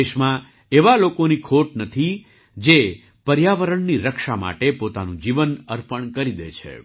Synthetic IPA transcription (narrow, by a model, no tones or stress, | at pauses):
eʃmã | eʋalokonikʰoʈnət̪ʰi | d͡ʒe | pəɾjaʋəɾəɳniɾəkʃama̰ʈepot̪anũd͡ʒiʋənəɾpəɳkəɾid̪ḛt͡ʃʰḛ